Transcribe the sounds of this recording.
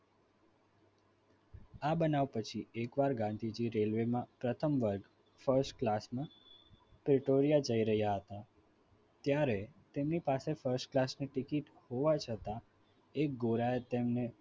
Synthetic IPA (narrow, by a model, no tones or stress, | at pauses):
abənaʋpət͡ʃʰiekʋaɾɡãnd̪ʱid͡ʒiɾelʋemãpɾət̪ʰəmʋəɾɡ | fəɾsʈklasmã | pɾɪʈoɾijad͡ʒəiɾəɦjaɦət̪a | t̪jaɾet̪emnipasefəɾsʈklasniʈɪkiʈ | hoʋat͡ʃʰət̪a | ek̚ɡoɾajet̪emne